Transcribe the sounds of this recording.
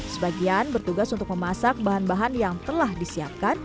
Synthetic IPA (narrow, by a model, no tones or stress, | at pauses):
səbaɡianbərt̪uɡasunt̪ʊk̚məmasak̚baɦanbaɦanjaŋt̪əlahdisiap̚kan